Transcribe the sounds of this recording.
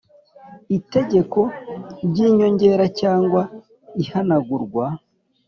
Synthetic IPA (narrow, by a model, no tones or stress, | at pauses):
ite̞ɟe̞ko̞ɾɟiːɲo̞ɲɟe̞ːɾacaːŋɡwa | ihanaɡuɾɡwa